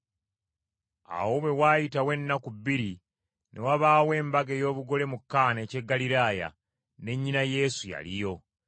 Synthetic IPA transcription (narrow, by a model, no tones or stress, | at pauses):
a̰wo̞we̞waːjitawe̞nːakuβːiɾi | nʔe̞waβaːwe̞ːmbaɡe̞jo̞ːβuɡo̞le̞mukːaːne̞ːce̞ɡːaliɾaːja̰ | ne̞ɲːinaje̞suja̰lijo̞